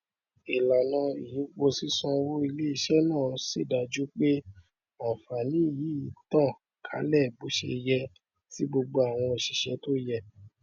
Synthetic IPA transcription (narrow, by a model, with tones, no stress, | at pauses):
i˨la˨nã˨˧i˨ji˨˦ɡ͡bo˧si˦sã˧wo˦i˧le˦i˦˨ʃɛ˦nãː˦˨˦si˦˨da˧d͡ʒu˦k͡pe˦ | ã˨fa˨nĩ˨˦˨ji˨˦i˨˦tã˦˨ | kʰa̰˨˦lɛ˦˨bu˨˦ʃḛ˧jɛ˧ | ti˦ɡ͡bo˧ɡ͡bo˧a˨w̃ɔ̃˧o˨ʃi˨ʃɛ˨˦to˦jɛ˦˧